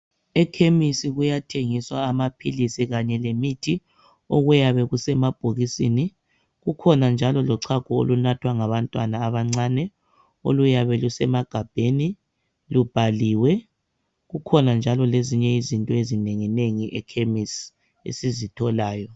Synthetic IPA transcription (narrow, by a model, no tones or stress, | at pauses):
ɛkʰemisiɣujatʰeŋiswaːmapʰilisiɣaɲɛlemitʰi | oɣujaβɛɣusɛmab̥ʱoɣisini | ɣukʰɔnand͡ʒʱalɔlɔǀʰaɡ̥ʱɔo̰lunatʰwaŋaβantʼwanaːβaŋ͡ǀanɛ | o̰lujaβɛlusɛmaɡ̥ʱab̥ʱeni | lub̥ʱaliːwɛ | ɣukʰɔnand͡ʒʱalɔleziɲɛizintʼɔezineŋineŋiʔɛkʰemisi | ḛsizitʰɔlaːjɔ